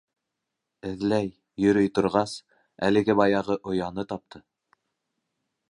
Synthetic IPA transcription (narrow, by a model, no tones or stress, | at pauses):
ɘ̆ðlæjː | ɵ̆ɾɵjt̪ŏɾʁɑs | æ̰lɘ̆ɡɘbɑjɑʁɤʔŏjɑnɤt̪ɑp̚t̪ʰɤ